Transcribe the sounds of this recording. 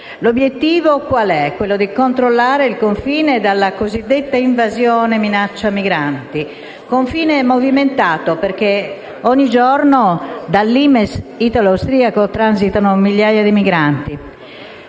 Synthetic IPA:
lobjet̪ːiːvokwalɛkːwelːod̪ikont̪ɾolːaːɾeilkoɱfiːned̪alːakozid̪ːet̪ːaiɱvazjɔːneminat͡ʃːamiɡɾant̪i | koɱfiːneɛmoviment̪aːt̪operk̟e | ɔɲːid͡ʒɔrnod̪alːimesit̪aloawst̪ɾiːakot̪ɾanzit̪anomiʎjaːjad̪imiɡɾant̪i

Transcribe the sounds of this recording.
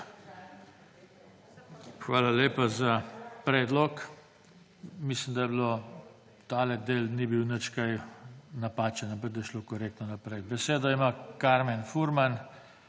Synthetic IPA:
xʋaːlaleːpazapɾɛːd̪lɔk | mislimd̪ajɛbilo | t̪aːlɛd̪eːlnibiwnət͡ʃkajnapaːt͡ʃɛnapɐk̚d̪ɐjʃlokɔɾeːk̚t̪nɔnapɾɛjbɛseːd̪ɔimakaɾmɛnfuɾman

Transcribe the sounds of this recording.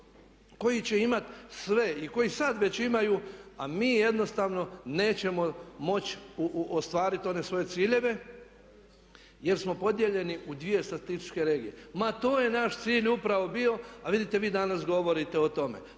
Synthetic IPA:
ko̞jit͡ɕeimat̪sʋe̞iko̞jisad̪ʋe̞t͡ɕimajuamiːjed̪no̞st̪aʋno̞ne̞ːt͡ɕe̞mo̞mo̞t͡ɕuost̪ʋaːɾit̪o̞ne̞sʋo̞je̞t̪siːʎe̞ʋe̞ | je̞ɾsmo̞po̞d̪je̞ʎe̞niʔud̪ʋije̞st̪ɾat̪ist̪i̥t͡ʃke̞ɾe̞ːɡije̞mat̪o̞ːje̞naʃt̪siːʎupɾaʋo̞bio̞aʋid̪it̪e̞ʋiːd̪anasɡo̞ʋo̞ɾit̪eot̪o̞mḛ

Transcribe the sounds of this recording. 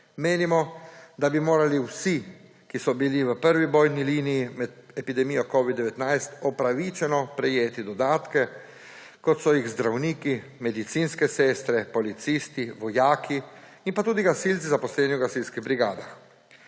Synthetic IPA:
meːnimɔd̪abimoːɾaliwsi | kisɔbiliʋəpəɾʋibɔːjniliːnijimɛd̪ɛpid̪ɛmijɔkɔːʋid̪ːɛʋɛt̪najst̪ɔpɾaʋit͡ʃɛnɔpɾɛjeːt̪id̪ɔd̪aːt̪kɛ | kɔt̪sɔjiɣzd̪ɾawniːkimɛd̪it̪siːnskɛsɛːst̪ɾɛpɔlit̪siːst̪iʋɔjaːkʰi | inpat̪uːd̪iɡasiːlsizapɔslɛːniwɡasilskiɣbɾiɡaːd̪ax

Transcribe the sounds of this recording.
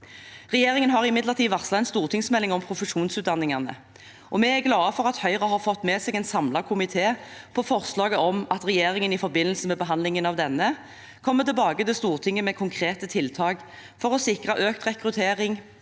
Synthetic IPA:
ʁɛjeːʁɪŋənɦɑʁɪmɪd̪ləʁt̪ʰiːʋɑʁslɑɛnst̪uːʁt̪ʰɪŋsmɛlːɪŋɔmpʰʁʊfəʂuːnsʉːt̪̚d̪ɑnːɪŋɑnə̰ | ʔɔmɛæɡlɑːəfɔʁɑt̪hœʏʁəhɑʁfɔt̪ːmɛːsɛːɡɛnsɑmlɑkʰʊmɪt̪ʰeːpʰɔfɔʁslɑːɡəɔmɑt̪ʁɛjeːʁɪŋənɪfɔɾbɪnəlsəmɛbəɦɑnd̪lɪŋənɑʋd̪ɛnːə | kʰɔmːət̪ɪlbɑːɡət̪ɪlst̪uːʁt̪ʰɪŋːəmɛkʰʊŋkʰʁeːt̪ət̪ʰɪlt̪ʰɑːɡ | fɔʁɔsɪkʁəʔøːk̚t̪ʁɛkʁʉt̪ʰeːʁɪŋ

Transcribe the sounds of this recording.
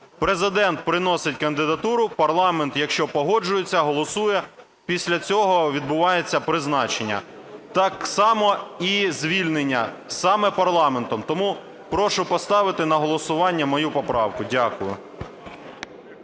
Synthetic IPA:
pɾezɪd̪ɛnt̪̚pɾɪnɔsɪtʲkɐnd̪ɪd̪ɐt̪uɾʊpɐrlˠɑment̪jɐkʃt͡ʃɔpɔɦɔd͡ʒʊjet͡sʲːɐɦɔlˠɔsujɛ | pʲisʲlʲɐt͡sʲɔɦɔʋʲid̪bʊʋɑjet͡sʲːɐpɾɪznɑt͡ʃenʲːɐ̰ | t̪ɑksɑmɔizʲʋʲilʲnenʲːɐsɑmɛpɐrlˠɑment̪ɔmt̪ɔmu | pɾɔʃʊpɔst̪ɑʋɪt̪ɪnɐɦɔlˠɔsʊʋɑnʲːɐmɔjupɔpɾɑwkʊdʲakʊjʊ̰

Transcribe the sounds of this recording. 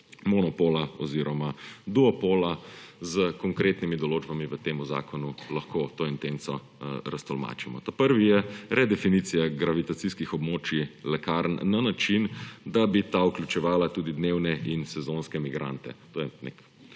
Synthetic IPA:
mɔnɔpoːlaɔ̰ziɾɔmad̪uɔpoːlazəkɔŋkɾeːt̪nimid̪ɔloːd͡ʒbamiʋət̪eːmuza̰ːkɔnulɐxkot̪oːint̪ent̪sɔ | ɾast̪ɔlma̰t͡ʃimɔ̰t̪apəɾʋijɛɾʔɛd̪ɛfinit̪sijaɡɾaʋit̪at̪siskixɔbmoːt͡ʃilɛkaɾnːanat͡ʃind̪abit̪aukljut͡ʃɛʋaːlat̪uːd̪id̪newnɛinsɛzonskɛmiɡɾa̰nt̪ɛ̰t̪oːjɛnḛk

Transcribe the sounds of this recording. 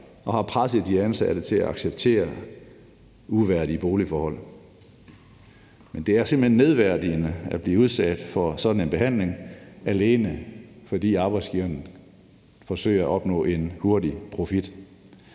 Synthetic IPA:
ɒ̽hɑ̈pʰʁasid̥iænsæd̥ət͡sʰe̝læɑ̈ɡ̥seb̥̚t͡sʰe̝̰ːɐ | uʋæɐ̰diəb̥o̝ːlifɒːhɒ̽l̰ | mend̥e̝æɐse̝m̩henːe̝ð̞ˠʋæɐ̰d̥iənəæb̥liːəuð̞ˠsæd̥fɒ̽sɒ̽d̥n̩e̝nb̥e̝hæn̰le̝ŋæle̝ːnəfɒ̽d̥ḭːɑ̈ːb̥ɑ̈ɪ̥sɡ̥iːʊɐn | fɒ̽sø̰ɪɐæɒ̽b̥nɔ̰̽ːe̝nho̝ɐd̥ipʰʁo̝fid̥

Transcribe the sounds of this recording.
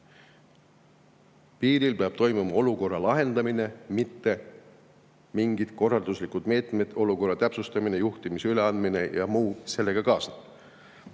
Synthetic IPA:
piːɾilpeɑb̥t̪o̞jmumɑo̞luko̞rːɑlɑɦe̞nd̪̥ɑmine̞mit̪ːe̞ | miŋɡid̪̥ko̞rːɑld̪uslikud̪̥me̞ːt̪me̞d̪̥o̞luko̞rːɑt̪æpsust̪ɑmine̞juht̪imisyle̞ɑnd̪mine̞jɑmuːse̞lːe̞ɡ̥ɑkɑːsnɑ̥

